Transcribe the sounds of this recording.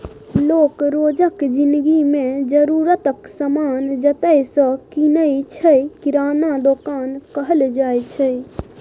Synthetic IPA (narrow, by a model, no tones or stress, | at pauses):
loːkɾod͡ʒəkd͡ʒind̪ɡimẽd͡ʒəɾuɾət̪əksəmaːnd͡ʒət̪əjsə̃kinəjt͡ʃʰəjkiɾaːnad̪okaːnkəɦəld͡ʒajt͡ʃʰəj